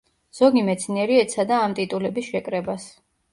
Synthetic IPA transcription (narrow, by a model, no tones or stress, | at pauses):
z̥ɔɡimɛt̪sʰniɛɾiɛt̪sʰad̪aːmt̪ʼit̪ʼulɛbisʃɛkʼɾɛbas